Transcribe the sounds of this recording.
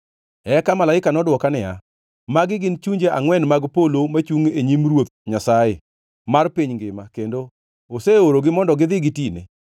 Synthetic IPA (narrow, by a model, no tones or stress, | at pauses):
ɛkamalaɪkanɔdwɔkanɪja̰ | maɡɪɡɪnt͡ʃuɲd͡ʒeʔaŋwɛnmaɡpolomat͡ʃuŋeɲimrwot̪̚ɲasae | marpiɲŋɡɪmakendo | oseoɾoɡɪmɔndɔɡɪðɪɡɪtinḛ